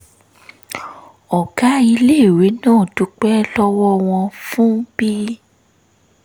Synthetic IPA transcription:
ɔ˨ɡa˨˦i˧le˦˨we˨˦nãː˦˨tu˧˦k͡pɛ˦lɔ˦wɔ˦w̃ɔ̃˧fũ˦b̥i˦

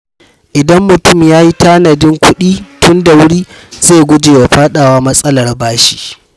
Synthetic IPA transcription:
ʔɪ˨dɐ˦mːʊ˨tʊ˦˨mjaː˦ji˦taː˦nɐ˨dɪ˦ŋkʷʊ˦ɗiː˦tʊ˦nda˨wʊ˦ɽiː˦zeː˦˨ɡʷʊ˦d͡ʒeː˨wa˨ɸaː˦ɗaː˨waː˦mɐ˦sʼɐ˦lɐ˨rbaː˦ʃi̥ː˦

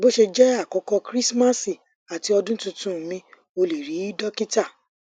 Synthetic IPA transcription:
bo˦ʃe˧d͡ʒɛ˦a˦˨kɔ˨˦kɔ˧kɾi˦sma˦si˨ | a˨ti˧˦ɔ˧dũ˦tũ˧tũ˦˨mĩ˧ | o˧le˨ɾi˨˦dɔ˦ki˦ta˦˨

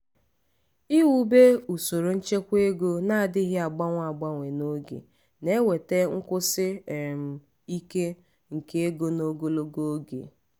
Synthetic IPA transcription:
i˦wu˦be˦u˨so˨ɾo˨n̩˦t͡ʃe˦kʷe˦ɡo˦na˦˨dɪ˦ɦɪ˦a˨ɡ͡ba˦ŋʷ˦a˨ɡ͡ba˦ŋʷe˨no˦ɡḛ˨ | ne˦we˨te˦ŋ̩˦kʷʊ˦sɪ˦˨m̩˨ | i˦ke˦ | ŋ̩˨ke˦e˦ɡo˦no˦ɡo˦lo˦ɡo˦ɡḛ˨

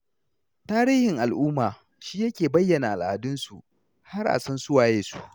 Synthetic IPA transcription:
taː˦ɾiː˦hɪ˨ŋʔa˨lʔʊː˦maː˨ | ʃiː˦jɐ˦kʲeː˨bɐ˦jːɐ˨na˨ʔa˨la˨dʊ˦nsu˨ʔ | ha˦ɾʔa̰˨sɐ˦nsʊ˦waː˨jeː˨su̥˦ʔ

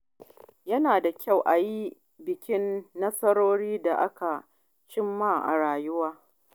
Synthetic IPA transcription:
jɐ˦naː˨da˨kʲa˦˨wʔa˨ji˦ | bɪ˨kʲɪ˦nːɐ˦sɐ˦ɾoː˦ɽiː˦da˨ʔa˦ka˨ | t͡ʃɪ˦mːa˦˨ʔa̰˨ɽaː˨jʊ˦waː˦

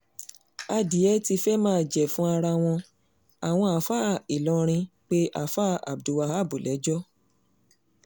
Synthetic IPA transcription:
a˧di˨˦ɛ˦ti˧fɛ˦mãː˦˨d͡ʒɛ˨fũ˨˦a˧ɾa˧w̃ɔ̃˧ | a˨w̃ɔ̃˧a˨fa˦˨i˨lɔ̃˨˧ɾ̃ĩ˧k͡pe˦ʔa˦˧fa˦˨a̰˨b̚du˨wa˧˦ha˦˨bu˨lɛ˨˦d͡ʒɔ˦

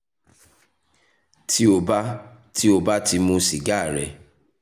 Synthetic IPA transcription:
ti˦o˨ba˦ti˦o˨ba˦ti˧mũ˧si˨ɡa˦˨ɾɛ˨

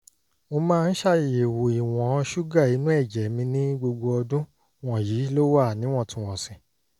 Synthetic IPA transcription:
o˧mãː˦˧n̩˦ʃa˦˨je˨wo˨i˨w̃ɔ̃˨˧ʃu˦ɡa˦˨i˨˦nũ˦ɛ˦˨d͡ʒɛ˨˦mĩ˧nĩ˦ɡ͡bo˧ɡ͡bo˧ɔ˧dũ˦ | w̃ɔ̃˦˨jiː˨˦lo˦wa˦˨nĩ˦w̃ɔ̃˦˨tũ˨˦w̃ɔ̃˨sĩ˨

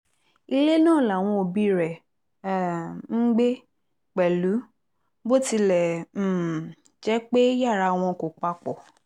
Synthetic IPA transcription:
i˧le˦nãː˦˨la˨w̃ɔ̃˧o˨bi˧˦ɾɛ˨ | ŋ̩˦ɡ͡be˦ | k͡pɛ˨lu˨˦ | bo˦ti˧lɛ̃˨ | d͡ʒɛ˨˦k͡pe˦ja˦˨ɾa˧w̃ɔ̃˧ko˨k͡pa˧k͡pɔ˨

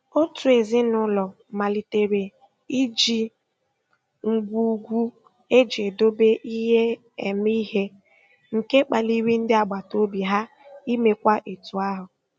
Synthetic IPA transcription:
o˦tu˨e˨zɪ˦nʊ˦lɔ˨ma˨li˨te˨ɾe˨ | i˦d͡ʒi˨ | ŋ̩˨ɡʷu˦ɡʷu˦ | e˦d͡ʒe˨do˦be˦ʔi˦ɦe˦ | e˨mi˦ɦe˦ | ŋ̩˨ke˦k͡pa˨li˦wi˦n̩˦dɪ˦a˨ɡ͡ba˨to˦bi˨ɦa˦ | i˦me˨kʷa˦ʔe˨tu˨a˦ɦʊ˨

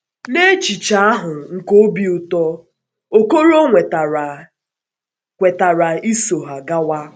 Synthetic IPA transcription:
ne˦t͡ʃi˨t͡ʃa˦a˦ɦʊ˨ŋ̩˨ko˦bi˨ʊ˨tɔ˦ | o˨ko˦ɾo˦ŋʷe˨t | kʷe˨ta˨ɾa˨i˦so˨ɦa˨ɡa˦wa˦

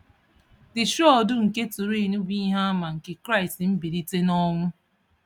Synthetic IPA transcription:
dɪ˨ʃɔ˦˨dʊ˦ŋ̩˨ke˦tu˨ɾi˦˨nu˦bi˦ɦa˦a˦ma˨ŋ̩˨ke˨kɾa˦ɪ˨stm̩˦bi˨di˦te˦nɔ˦ŋʷʊ˦

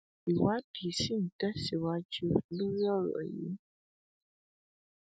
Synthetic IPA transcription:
i˨wa˦ti˨si˦˨n̩˨tɛ˦si˨wa˨˦d͡ʒʉ˦˨lu˦ɣa˦ɣə̰˨ʔjḭ˨˦

